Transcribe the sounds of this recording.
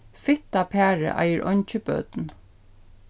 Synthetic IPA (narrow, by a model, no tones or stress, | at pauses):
fɪt̪apʰæːɹə̰ʔa̰jəɹʔɔɲt͡ʃəbœ̰ːt̪n